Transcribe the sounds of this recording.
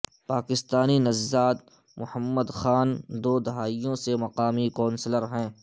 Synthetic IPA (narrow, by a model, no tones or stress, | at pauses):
paːkɪst̪aːninɐzːaːt̪ | mʊhəmːəd̪xaːnd̪oːd̪ɐɦaːijõsemɐqaːmikɔ̃ːnsləɾɦɛ̃ː